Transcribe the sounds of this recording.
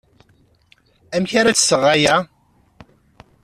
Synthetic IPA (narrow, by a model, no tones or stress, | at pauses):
æmçaɾat͡sːsəʁæjæ